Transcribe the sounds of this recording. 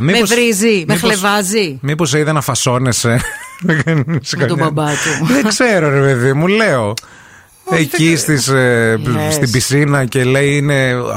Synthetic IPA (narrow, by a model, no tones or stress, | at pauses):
mimeosvɾizimeixlevɐzimipo̞s̬eiðenɐfɐso̞ne̞se̞neɡɐniskɐɲɐbɐt̪uðekse̞ɾo̞ɾe̞pe̞ðimule̞o̞ | ecist̪is | st̪ibisinɐce̞le̞iine̞